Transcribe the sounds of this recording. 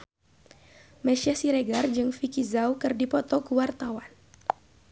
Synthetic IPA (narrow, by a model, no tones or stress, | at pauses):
mɛʃasiɾeɡard͡ʒɨŋfikizawkɨrdipɔt̪ɔkuwart̪awan